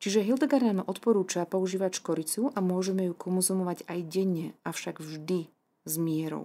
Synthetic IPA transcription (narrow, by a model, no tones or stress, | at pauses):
t͡ʃiʒɛɦild̪ɛɡaɾnanɔʔɔt̪pɔɾuːt͡ʃapɔuʒiːʋacʃkɔɾit͡suʔamʊɔʒɛmɛjukʰɔnzumɔʋaɟajɟɛɲːɛʔaʊʃaɡvʒd̪i | zmɪɛɾɔ̰ʊ